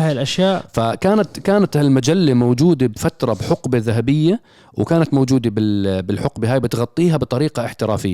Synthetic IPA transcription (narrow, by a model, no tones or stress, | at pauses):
aːjlʔaʃjaːʔfakaːnat̪kaːnat̪almad͡ʒalːamowd͡ʒuːd̪abfat̪ɾˤɑbħʊqbaðaɦabɪjːa | wkaːnat̪mowd͡ʒuːd̪abɪbɪlħʊqbɪɦaːjbɪt̪ɣɑt̪ˤːiːɦabt̪ˤɑɾiːqɑɪħt̪ɪɾa̰ːfɪjː